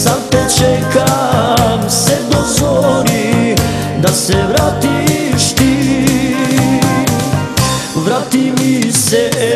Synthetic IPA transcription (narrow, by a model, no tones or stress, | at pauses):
sap̪ɛt͡ʃɛjkamsɛd̪ozʋoli | d̪asɛʋɾaːt̪iʃt̪i | ʋɾaːt̪imisɛ